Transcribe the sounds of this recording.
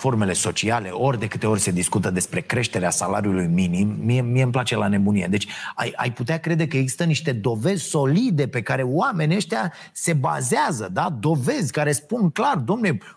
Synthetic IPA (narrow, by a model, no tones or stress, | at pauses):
fo̞rme̞le̞so̞t͡ʃiale̞̰ʔo̞rʲd̪e̞kɨt̪e̞o̞rʲse̞d̪iskut̪əd̪e̞spɾe̞kɾe̞ʃt̪e̞ɾeasalaɾiulujminimːiemijeɨmplat͡ʃe̞lane̞bunijed̪e̞t͡ʃʲa̰ja̰jput̪eakɾe̞d̪e̞kəe̞ɡzi̥st̪əniʃt̪e̞d̪o̞ve̞zʲso̞lid̪e̞pe̞kaɾe̞wame̞nʲieʃt̪eja | se̞ba̰zeazəd̪ad̪o̞ve̞zʲkaɾe̞spunklard̪oomne